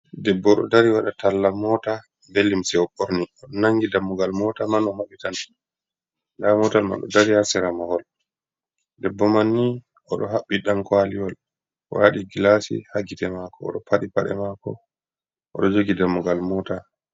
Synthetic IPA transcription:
dɛbːɔɗɔ̰daɾiwaɗatalːamɔta | belːimsɛwɔɓoɾniɔɗɔnaŋɡidamːuɡalmɔtamanɔhaɓitan | damɔtalma̰ɗɔ̰daɾihasɛɾamɔhɔl | dɛbːɔmanːi | ʔɔɗɔɦaɓːiɗamkwaliwɔl | ʔɔ̰ɾaɗiɡilasḭhaɡitɛmakɔ̰ːɗɔpʰaɗipaɗɛ̰makɔ̰ | ʔɔ̰ɗɔd͡ʒoɡidamːuɡalmɔːta

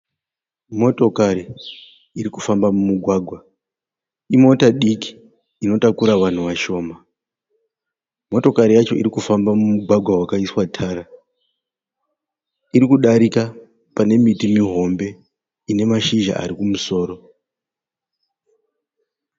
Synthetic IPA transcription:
mo̞to̞kaɾi | iɾikufambamumuɡʱwaːɡʱwa | imo̞taɗiki̥ː | no̞takuɾaʋan̤uʋaʃo̞ːma | mo̞to̞kaɾijat͡ʃo̞ʔḭɾikufambamumuɡʱwaɡʱwawakaiswatʰaːɾa | iɾikuɗaɾika | pane̞mitimiɦo̞mbe̞ | ine̞maʃiʒa̰ʔa̰ɾikumuso̞ːɾo̞

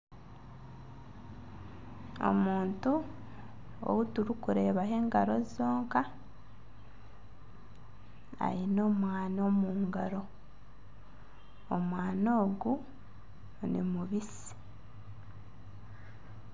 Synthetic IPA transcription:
o̞̰muːntu | o̰wutuɾikuɾe̞ːβaɦe̞ːŋɡaɾo̞zo̞ːŋka | a̰ɾino̞ːmwaːno̞ːmuːŋɡaɾo̞ | omwaːnoːɡu | nḭmuβis | i̥

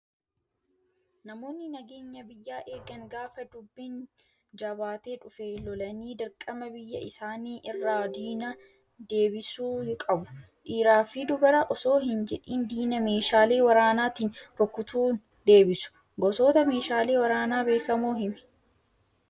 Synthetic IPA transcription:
nɐmo̞ːnːɪnɐɡe̞ːɲːɐbɪjːaːʔe̞ːɡɐŋɡaːfɐd̪ʊbːɪn | d͡ʒɐbaːt̪eːᶑʊfeːlɔlɐniːd̪ɐɾkʼɐmɐbɪjːɐ̰ɪsaːniːʔɪrːaːd̪iːnɐ | d̪e̞ːbɪsuːkʼɐbʊ̥ | ᶑiːɾaːfɪd̪ʊbɐɾɐʔɔso̞ːɦɪnd͡ʒɛᶑiːnd̪iːnɐme̞ːʃaːleːwɐɾaːnaːt̪iːnɾɔkːʊt̪uːn | d̪e̞ːbɪsʊ̥ | ɡɔso̞ːt̪ɐme̞ːʃaːleːwɐɾaːnaːbe̞ːkɐmoːɦɪmɛ̥

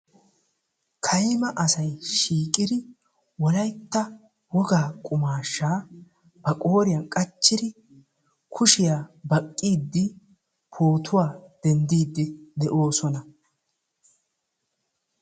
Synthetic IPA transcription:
kʰɐjmɐʔɐsɐjʃiːkʼɪd̪ɪ | wɔlɐjt̪ːɐ | wɔɡaːkʼʊmaːʃːaː | b̥ɐkʼo̞ːɾɪjɐnkʼɐt͡ʃːɪd̪ɪ | kʰʊʃɪjaːbɐkʼːiːd̪ːɪ | pʰo̞ːt̪ʰʊwaːd̪̥ɛnd̪iːd̪ːɪd̪ɛʔo̞ːsɔnɐ

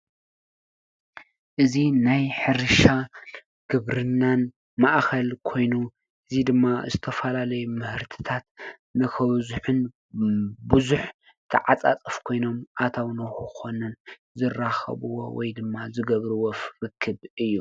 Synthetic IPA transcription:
ʔɨzinajħɨɾɨʃa | ɡ̥ɨβɾɨnːan | maʔxʰɐlkʰo̞jnu | ʔɨzid̪ɨmːazɨt̪ʰɐfɐlalɐjumɨhɨɾt̪ʰɨ̥t̪ʰat̪̚ | nɨkʰɐβzuħɨn | bɨzuħ | t̪ʰɨʕat͡sʼat͡sʼɨfkʰo̞jno̞mʔat̪ʰawnɐxuxonɨn | zɨraxɐ̰βɨwo̰wɔ̰jd̪ɨmːazɨɡɐβɾɨwofɾɨkʰːɨβɨjːu

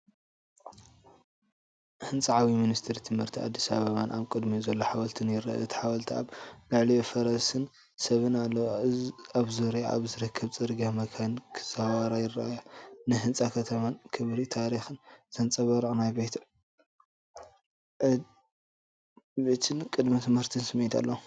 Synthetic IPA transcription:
hɨnt͡sʼaʕawiminist̪ʰɨɾit̪ʰɨmhɨɾt̪ʰia̰d̪ːisa̰βɐβanʔaβkʼɨd̪mizɐlːoħawɐlt̪ʰɨnjɪɾa̰ʔa̰ɨt̪ʰi̥ħawɐlt̪ʰia̰βɡaʕlijofɐɾɐsɨn | sɐβɨnalːɐwaβzuɾia̰βzɨɾɨkʰːɐβt͡sʼɨɾɡamɐkʰankʰz̥awaɾajɪrːa̰ʔjanɨɦɨnt͡sʼakʰɐt̪ʰɐmankʰɨβɾit̪ʰaɾixɨnz̥ɐnt͡sʼɐβɐɾʔʼnajbet̪ | bet̪ʰɨnkʼɨd̪mit̪ʰɨmhɨɾt̪ʰɨnsɨmːet̪ʰa̰lːɐw

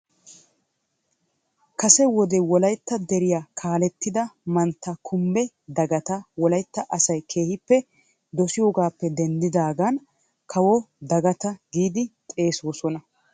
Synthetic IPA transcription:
kɐsɛwɔd̪ɛwɔlɐjt̪ːɐd̪ɛɾɪjakʰaːlɛt̪ːɪd̪ɐmɐnt̪ːɐkʰʊmbɛ | d̪ɐɡɐt̪ɐwɔlɐjt̪ːɐʔɐsɐjkʰe̞ːhɪpːɛ | d̪ɔsɪjoːɡaːpːɛd̪ɛnd̪ɪd̪aːɡɐn | kʰɐwɔ | d̪ɐɡɐt̪ɐɡiːd̪ɪt̪ʼe̞ːsoːsɔnɐ

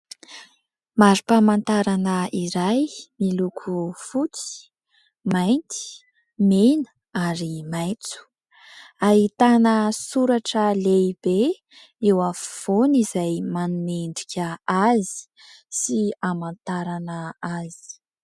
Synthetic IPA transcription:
maɾipamant̪aɾanəiɾajmilukʰufut͡si̥ | majnt̪i̥ | menə | aɾimajt͡su̥ | aɦit̪anəsuɾaʈ͡ʂəleib̥e | ewafv̥onizajmanuneɳɖ͡ʐikʰʲəazi̥ | siamant̪aɾanəazi̥

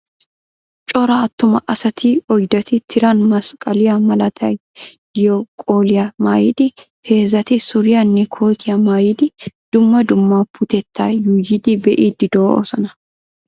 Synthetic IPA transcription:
t͡ʃʼɔɾɐːt̪ːʊmɐʔɐsɐt̪ʰiɔjd̪ɐt̪ɪt̪ʰɪɾɐnmɐskʼɐlɪjamɐlɐt̪ʰɐj | jɔkʼoːlɪjɐmaːjɪd̪ɪhʰe̞ːzɐt̪ɪsʊɾɪjɐnːɛkʰoːt̪ʰɪjɐmaːjɪd̪ɪd̪̥ʊmːɐd̪ʊmːaːpʰʊt̪ɛt̪ːaːjujɪd̪ɪbɛʔiːd̪ɪd̪oːɔ̰sɐnɐ

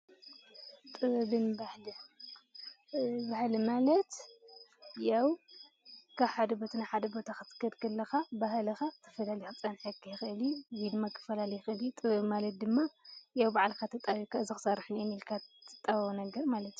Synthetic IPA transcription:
t̪ʼɨβbɨnbahlɨ | bahlimalɐt̪ | jaw | kʰaβħad̪ɐbo̞t̪ʰnaħad̪ɐbo̞t̪ʰaxɨt̪ʰɨ̥kʰːɐd̪kʰɐlːɐxabaɦlɐxat̪ʰɐ̥fɐlalixɨt͡sʼɐnħɨɡijɪxɨʔɨliwid̪ɨmːakʰɨ̥fɐlalɐjɨxʔɨlit̪ʼɨβɨbmalɐt̪̚d̪ɨmːajawbaʕlkʰat̪ʰɨt̪ʼːaβikʰaɨzɨxɨ̥sɐɾħnenilkʰat̪ʰːɨt̪ʼːaβnɐɡɐɾmalɐt̪

